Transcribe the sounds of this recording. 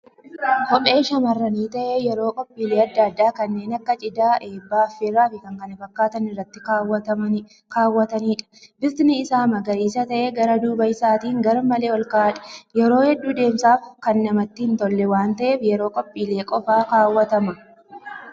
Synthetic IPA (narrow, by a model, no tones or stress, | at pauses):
hɔpʼe̞ːʃɐmɐrːɐniːt̪ɐʔejɛɾo̞ːkʼɔpʼːiːleːɐd̪ːaːd̪ːaːkɐnːe̞ːnɐkːɐt͡ʃʼɪd̪aːʔe̞ːbːaːfːeːraːfɪkɐŋkɐnɪfɐkːaːt̪ɐnɪrːɐt̪ːɪwɐɐɐ | kaːwːɐt̪ɐniːᶑɐ̥bɪɾt̪ɪnɪɪsaːmɐɡɐɾiːsɐt̪ɐʔeɡɐɾɐd̪uːbɐɪsaːt̪iːŋɡɐɾɐmɐle̞ːwɔlkɐʔɐᶑɐ̥jɛɾo̞ːhɛd̪ːuːd̪e̞ːmsaːfkɐnːɐmɐt̪ːɪhɪnt̪ɔlːɛwaːnt̪ɐʔe̞ːfjɛɾo̞ːkʼɔpʼːiːle̞ːkʼɔfaːkaːwːɐt̪ɐmɐ